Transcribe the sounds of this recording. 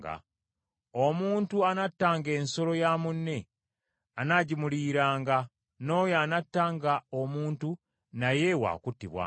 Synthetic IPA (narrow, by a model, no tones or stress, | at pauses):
ɡa̰ | omuːntuanatːaːŋɡe̞ːnso̞lo̞jaːmunːe̞ | anaɟimuliːɾaːŋɡa | no̞ːjaːnatːaːŋɡaomuːntu | naje̞wa̰ːkutːiβwa̰